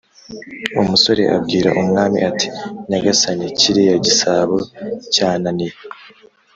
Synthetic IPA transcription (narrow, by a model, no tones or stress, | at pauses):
umuso̞ɾe̞̰ʔa̰bɡiːɾa̰ʔumŋaːmḭʔati̥naɡasaniciɾijaɟisaːβocaːnanij